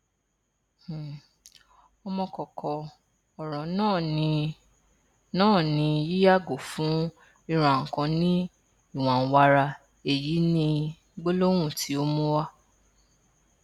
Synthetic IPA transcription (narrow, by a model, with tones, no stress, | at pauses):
ɔ˧mɔ̃˧kɔ˨kʰɔ˨ | ɔ˨ɾ̃ɔ̃˨nã˦˨˧ | nãː˦˨nĩ˧ji˦ja˦˨ɡo˨fũ˨˦ | i˧ɾ̃ã˧˨ŋ̩˨kã˧nĩ˦ | i˦˨w̃ã˨˦wa˧ɾa˧ | e˨ji˨˦nĩ˦ | ɡ͡bo˦lo˦w̃ũ˦˨tʰi˨˦o˦mũ˦wa˦